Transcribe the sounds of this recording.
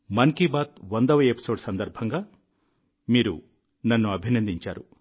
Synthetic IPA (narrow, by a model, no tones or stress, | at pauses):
mɐŋkibaːt̪ʋɐnd̪ɐʋɐjepi̥so̞ːɖsɐnd̪ɐɾbʱɐŋɡaː | miːɾu | nɐnːuɐbʱinɐnd̪iɲt͡ʃa̰ːɾu